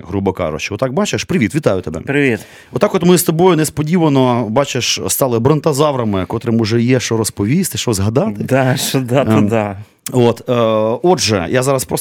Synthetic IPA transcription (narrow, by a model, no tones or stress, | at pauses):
ɦɾubɔkɑ̰ʒʊ̰t͡ʃɪɔt̪ːɑk̚bɑt͡ʃeʃpɾɪʋʲit̪ʋʲit̪ɑjʊt̪ebɛ̰pɾɪʋʲit̪ | ʋɔt̪ɑkɔt̪mɪst̪ɔbɔjʊnespɔdʲiʋɐnɔbɑt͡ʃeʃst̪ɑlˠɪbɾɪnt̪ɐzɑʋɾɐmɪkɔt̪ɾɪmʊʒɛjɛʃɔɾɔspɔʋʲist̪ɪʃɔzɦɐd̪ɑt̪ɪd̪aʃɔd̪atd̪a | ot̪ɔdʒɛjazɑɾɐspɾɔs